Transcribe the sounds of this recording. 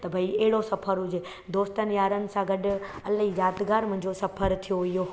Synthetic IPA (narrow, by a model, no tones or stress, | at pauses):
t̪ɐbʱɐieɦɪɽosɐpʰəɾɦʊd͡ʑe | d̪oːst̪ənjaːɾənɪ̆sãɡɐɖɐlɦizaːt̪ɡaːɾmʊ̃ɦɲd͡ʑosɐpʰəɾt̪ʰijoijo